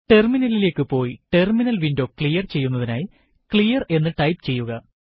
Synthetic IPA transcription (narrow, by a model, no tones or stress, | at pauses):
ʈe̞rminɐlile̞ːkːɨpo̞ːjiʈe̞rminɐlʋindo̞ːkɭijɐrt͡ɕejːunːɐðina̰ːji | klijɐre̞nːɨʈɐjpt͡ɕe̞jːuɣɐ